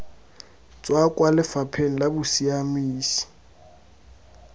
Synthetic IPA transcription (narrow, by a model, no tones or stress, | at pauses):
t͡sʼwakʼwalɪfapʰeŋ̩labʊsiamiːsi̥